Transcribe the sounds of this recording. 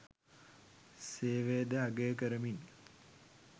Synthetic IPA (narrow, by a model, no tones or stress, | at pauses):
seːʋed̪əaɡejkəɾəmin